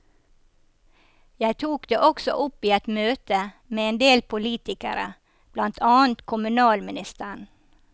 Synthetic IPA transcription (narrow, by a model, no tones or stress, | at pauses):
jæɪt̪ʰuːkd̪ḛːʔɔksɔ̰ʔʊpiːɛt̪møːt̪ə | meːeːnd̪eːlpʰʊliːt̪ɪkə̰ɾə̰ | b̥lɑnt̪ʰɑːn̩t̪kʰʊmʉnɑːlmɪnɪst̪əɳ